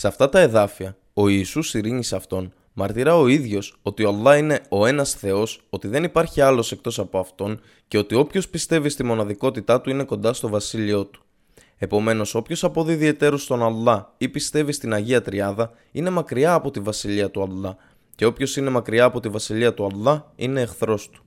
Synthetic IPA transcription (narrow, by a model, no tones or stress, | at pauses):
sɐft̪ɐt̪ɐe̞ðɐfiɐ | o̞iːsusiɾiɲiseɐft̪o̞n | mɐɾt̪iɾɐo̞iðʝo̞so̞t̪io̞ɐlːɐine̞o̞e̞nɐsθe̞o̞so̞t̪iðe̞nipɐɾçiɐlo̞se̞k̚t̪o̞sɐpo̞ɐft̪o̞n | ce̞o̞t̪io̞pço̞spist̪e̞vist̪imo̞nɐðiko̞t̪it̪ɐt̪uine̞ko̞nd̪ɐst̪o̞vɐsilio̞t̪u̥ | e̞po̞me̞no̞so̞pço̞sɐpo̞ðiiðie̞t̪e̞ɾo̞st̪o̞nɐlːɐipist̪e̞vist̪inɐʝiɐt̪ɾiɐðɐ | ine̞mɐkɾiɐːpo̞t̪ivɐsiʎiɐt̪uɐlːɐ | ceo̞pço̞sine̞mɐkɾiɐːpo̞t̪ivɐsiliɐt̪uɐlːɐine̞ːxθɾo̞st̪u̥